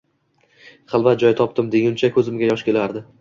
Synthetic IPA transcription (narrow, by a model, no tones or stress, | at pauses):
χɨlˠvat̪̚d͡ʒɒjt̪ʰɒp̚t̪ɪmd̪eɡʲɪmt͡ʃʰakʰɵzɪmɡʲajɒʃkʲe̞laɾd̪ɪ